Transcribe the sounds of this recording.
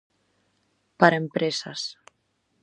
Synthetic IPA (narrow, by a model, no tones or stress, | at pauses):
paɾaempɾesa̰s